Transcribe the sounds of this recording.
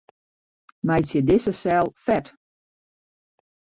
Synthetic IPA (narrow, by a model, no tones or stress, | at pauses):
majsjədɪsəsɛlˠfɛt